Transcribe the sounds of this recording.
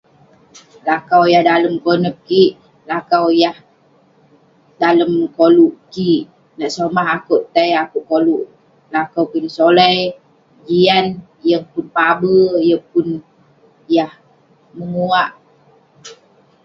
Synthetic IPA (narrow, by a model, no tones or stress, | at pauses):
lakawjahdaləmkonəp̚kiʔ | lakawjah | daləmkoluʔkiʔ | naʔsomaɦakuʔt̪ajakuʔkoluʔ | lakawpunsolaj | d͡ʒian | jəŋpunpabəjəpun | jah | məŋuaʔ